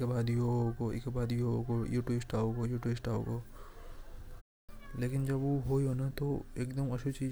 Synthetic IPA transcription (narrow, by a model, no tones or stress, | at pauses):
kɐbaːd̪iokoɪ̰kəbaːd̪iokojuːʈuɪsʈaːoːɡajuːʈuɪsʈaːo̰ːɡa | leːkɪnd͡ʒɐboɦoionat̪oḛːkd̪əmɐʃʰut͡ʃiː